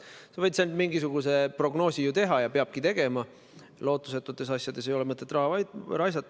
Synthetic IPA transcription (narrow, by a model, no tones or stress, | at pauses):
sevɤjt̪send̪miŋɡisuɡ̥use̞pro̞ɡno̞ːsʲijut̪e̞ɦɑjɑpeɑb̥̚kit̪e̞ɡ̥e̞mɑ | lo̞ːt̪ːˑuset̪ːˑut̪ːˑe̞sɑsjɑd̪̥e̞s̬e̞jo̞lemɤt̪ːˑe̞t̪ːˑrɑɦɑvɑjd̪̥ɾɑjs̬ɑt̪ːˑ